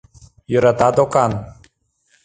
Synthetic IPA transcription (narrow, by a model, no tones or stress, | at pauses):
jɤɾat̪ad̪okan